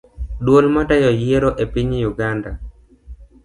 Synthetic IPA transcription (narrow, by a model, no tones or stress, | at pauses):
dwolmatajɔjieɾoʔepiɲjuɡanda